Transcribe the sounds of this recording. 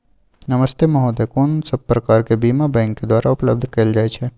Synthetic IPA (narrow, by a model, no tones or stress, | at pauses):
nɐməst̪emɐɦoːd̪ekoːnsɐb̚pːɾɐkaːɾkebiːmabɛ̃ːŋkːed̪waːɾaʊpləb̚d̪ʱkɐld͡ʒaːjt͡ʃʰe